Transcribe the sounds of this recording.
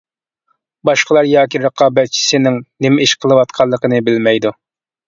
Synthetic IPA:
bɑʃqəlˠɑɾjɑːkʲiɾəqʰɑːbɛt̪̚t͡ʃʰi̥sɪnɪŋnɪmɪiʃqʰəlˠɨwɑt̪̚qʰɑlˠːəqənɨbɪlmɛjd̪u

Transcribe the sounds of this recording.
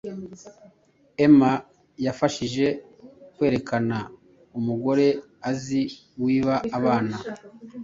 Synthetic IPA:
e̞ma | jafaʃiʒe̞ | kwe̞ːɾe̞kana | umuɡo̞ɾe̞ | azi | wiːβaːβaːna

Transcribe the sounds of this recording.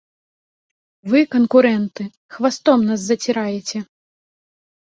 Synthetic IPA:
vɨkɐnkuɾɛnt̪ɨ | xvast̪ɔmnas̬zɐt͡sʲiɾajɛt͡sʲɛ

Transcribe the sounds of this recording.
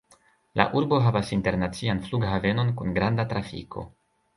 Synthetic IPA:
la̰ʔuɾbo̞ɦavasinte̞ɾnat͡sianfluɡɦave̞no̞nkunɡɾandatɾafḭkʰo̞̰

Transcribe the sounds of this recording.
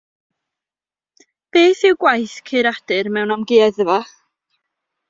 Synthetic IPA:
b̥eːθɪwɡwajθkʰɨɾad̥ɨrmɛwnamɡɪaðəva

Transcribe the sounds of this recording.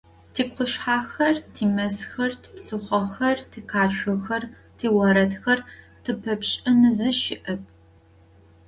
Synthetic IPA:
tʰiːkqʷʊɕħaːxɐrtʰiːmɐsxɐrtʰpsɨχʷɐxɐrtʰiqʰaːʃʷʊxɐr | tʰiːwɐɾɐtxɐr | tʰɨpʰɐpɕʼɐnɨzɨʃɪʔɐp̚ʰ

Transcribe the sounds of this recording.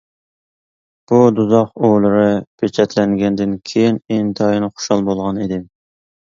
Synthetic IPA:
b̥ud̪uzɑqolˠɨɾɨpʰet͡ʃʰɛt̪ʰlɛŋɡʲɛnd̪ɪnkʲʰejinent̪ʰɑjinɨχo̥ʃɑlˠbolˠʁɑnid̪ɪm

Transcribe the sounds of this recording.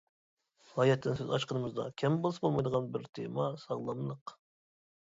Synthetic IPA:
ɑjɛt̪ːɪnsøzɑʃqənəməzd̪ɑ̰kʲʰɛmbəlˠɨsbolˠmɑjd̪əʁɑnbɪɾt̪ʰemɑsɑʁlˠɑmlˠəq

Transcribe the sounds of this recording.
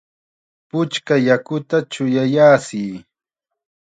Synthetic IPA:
pʊt͡ʃkajakʊt̪at͡ʃʊjajaːsɪː

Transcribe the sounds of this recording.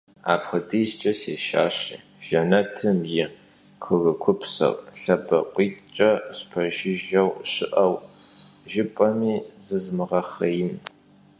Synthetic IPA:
a̰ːpχɨdʰiːst͡ʃʼɐseːʃa̰ːɕi | ʒ̥ɐnɐtʰɨmjɪ | qʰɨɣɨkʷʰʊpsɐ̰rɬɐbɐ̰qʷiːt͡ʃʼɐɕpʰɐʒɪʒɐwʃɪʔɐw | ʒɪpʼɐmiːzɨzmɨʁɐχɐjɪm

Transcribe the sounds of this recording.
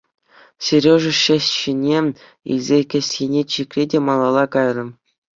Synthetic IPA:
sʲerʲoʐɤ̆ɕæsʲɕinʲe | ḭlʲzʲekʲɘ̆sʲenʲet͡ɕikʲrʲedʲemɑlˠɑlˠɑkɑjrɤ̆m

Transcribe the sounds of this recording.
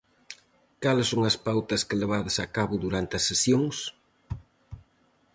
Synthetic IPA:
kalsːoŋɐspawt̪ɐskɪleβ̞aðɐsakaβʊðuɾant̪ɪɐsːesjoŋs

